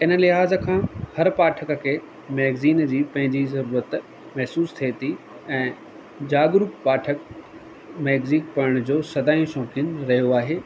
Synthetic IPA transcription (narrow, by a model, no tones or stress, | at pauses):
ɪnlɪɦaːzə̆kʰãːhɐɾpaːʈʰəkə̆kʰeː | meːɡziːnd͡ʑiːpɐ̃ɦɪ̃ɲd͡ʑizɐɾuːɾət̪ | mɐɦsuːst̪ʰiet̪ʰi | ɛ̃ː | d͡ʑaːɡɾukpaːʈʰək | mɛːɡzikpɐɾəɽ̃d͡ʑoːsɐd̪aːijũʃɔ̃ːkɪnɾɐɦijoaːɦeː